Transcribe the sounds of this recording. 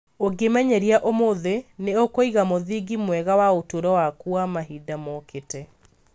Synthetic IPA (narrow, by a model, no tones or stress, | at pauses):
oɡemɛɲɛɾiaʔomoðeneokoiɣamoðiɡimwɛɣawaotoɾɔwakuamaɦidamɔkʰetɛ